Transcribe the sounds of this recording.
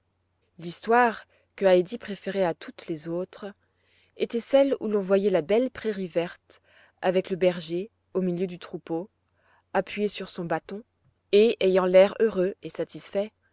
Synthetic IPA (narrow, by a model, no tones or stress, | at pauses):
list̪waʁ | kəajd̪ipχefeʁɛat̪ʰut̪lezot̪χ | et̪ɛsɛlṵlɔ̃vwajɛlabɛlpχeʁivɛʁt̪ | avɛkləbɛʁʒe | omiljød̪yt̪χupo | apɥjesyʁsɔ̃bat̪ɔ̃ | eejɑ̃lɛʁøʁøesat̪isfɛ